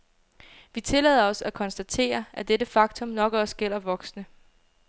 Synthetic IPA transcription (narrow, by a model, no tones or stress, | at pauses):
ʋit͡sʰe̝lɛːðˠɐɒ̽sækʰɒ̽nsd̥æt͡sʰe̝̰ːɐʔæd̥edəfɑ̈ɡ̥̚t͡sʰɔ̽mnɒ̽ɡ̥əɒsɡ̥el̰ɐʋɒ̽ɡ̥snə